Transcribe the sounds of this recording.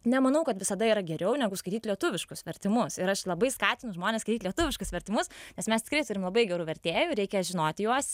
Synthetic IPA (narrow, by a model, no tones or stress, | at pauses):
nʲɛmɐnɐʊkɐt̪ʋʲɪsɐd̪ɐiːɾɐɡʲɛɾʲɛʊnʲɛɡʊskɐɪt̪ʲiːt̪lʲiɛt̪ʊʋʲɪʃkʊsʋʲɛɾʲt̪ʲɪmʊsɪɾɐʃlˠɐbɐɪskɑːt̪ʲɪnʊʒmoːnʲeskɐɪt̪ʲitlʲɛt̪ʊʋʲɪʃkʊsʋʲɛɾʲt̪ʲɪmʊsnʲɛsmʲɛst̪ʲɪ̥krɐɪt̪ʊɾʲɪmlˠɐbɐɪɡʲɛɾuːʋʲɛɾʲt̪ʲeːjʊɾʲɛɪkʲɛʒʲɪnoːt̪ʲjuɔs